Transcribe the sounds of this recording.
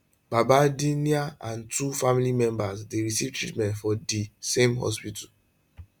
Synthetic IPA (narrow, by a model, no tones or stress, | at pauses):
babadiniaãntufamilimɛ̃mbasdeɹisivtɹḭtmɛ̃ntfɔdisẽmɦɔ̰spital